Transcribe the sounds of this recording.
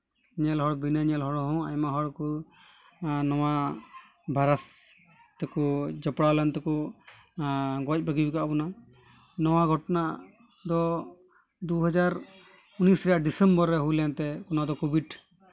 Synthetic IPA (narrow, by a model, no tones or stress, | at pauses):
ɲɛlɦɔɽbinaɲɛlɦɔɽɦɔ̃ajmaɦɔɽku | nɔwa | bʱaɾas | t̪ɛkud͡ʒɔpɽalant̪ɛku | ɡɔc̚ˀbəɡibikaʔbɔna | nɔwaɡʱɔʈɔna | d̪ɔ | d̪uɦɔd͡ʒaɾ | unisɾɛjaʔɖisɛmbɔɾːɛɦujlant̪ɛkɔnad̪ɔkubiɖ